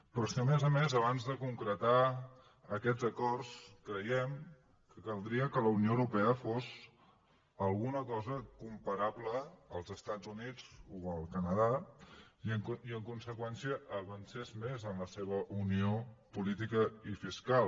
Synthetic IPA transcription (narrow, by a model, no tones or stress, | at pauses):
pɾɔsiəmezəmezəβanzðəkuŋkɾət̪a | əkɛd͡zəkɔrskɾəjɛm | kəkəlˠd̪ɾiəkələunioəwɾupɛəfos | əlˠɣunəkɔzəkumpəɾaβləːlˠzəst̪azunid͡zuəlˠkənəða | iəŋkiəŋkunsəkwɛnsiəʔːβənsezmezəmləseβ̞əʔuniopulit̪ikəifiskal